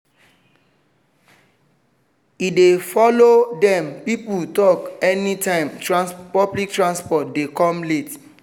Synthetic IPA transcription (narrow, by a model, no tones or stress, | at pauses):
idefɔlodɛ̃mpiputɔkɛnitãɪ̃mtɹãnspɔblik̚tɹãnspɔtdekɔ̃mlet